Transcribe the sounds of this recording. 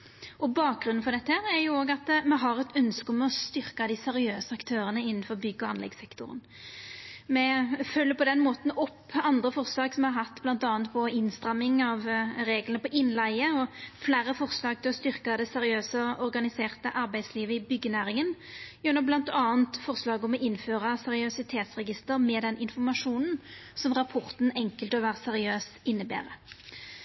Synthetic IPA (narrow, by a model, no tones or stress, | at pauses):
ɔbɑːk̚ɡɾʉnn̩fɔʁd̪ɛt̪ːəhæːɾæɾjʊoːɡɑt̪mɛɦɑɾɛt̪ʰœnskəɔmɛɔst̪ʏɾkɑd̪ɪsɛɾɪøːsəɑkt̪ʰøːɾənəɪnːn̩fɔʁbʏɡːɔɑnlɛ̰ɡsɛkt̪ʊ̰ɾə̰n | mɛfœlːəpɔd̪ɛnmoːt̪n̩ɔpːɑnd̪ɾəfɔʁslɑːɡsɔmɛhɑɾɦɑt̪ːb̥lɑnt̪ɑːnt̪pʰɔɪnst̪ɾɑmːɪŋɑʋɾeːɡlənəpɔʔɪnːlæɪəɔflæːɾəfɔʁslɑːɡ̚t̪ʰɪlɔst̪ʏʁkɑd̪ɛsɛɾɪøːsəɔɾɡɑnɪseːʁt̪əʔɑɾbæɪd̪sliːʋəɪbʏɡːənæːɾɪŋənjɛnːɔblɑnt̪ɑːənt̪fɔʁslɑːɡɔmɛʔɪnːføːʁɑsɛʁɪœsɪt̪ʰeːt̪sʁɛɡɪst̪əɾmɛːd̪ɛnʔɪnfɔʁmɑʂuːnn̩sɔmʁɑpʰɔʁt̪n̩ɛŋkəlt̪ɔʋæːʁəsɛʁɪøːsɪnːəbæ̰ːʁə